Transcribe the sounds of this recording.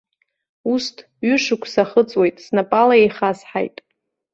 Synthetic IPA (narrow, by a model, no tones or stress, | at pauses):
ustʰ | ɥʏʂɨkʷʰsaχət͡sʼwe̞jtʼsnapʼalaejχasħa̰jtʼ